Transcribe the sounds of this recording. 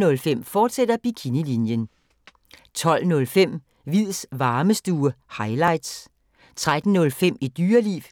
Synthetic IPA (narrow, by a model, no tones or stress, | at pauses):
nɔ̽lfem̰fɒːd̥sed̥ɐb̥ikʰinilinjən | t͡sʰɒ̽l̰nɔ̽lfem̰ | ʋið̰ˠsʋɑ̈ːməsd̥uːɐhɑ̈ɪlɑ̈ɪ̰d̥s | t͡sʰʁad̥n̩nɔ̽lfem̰id̥yːɐlḭːʋ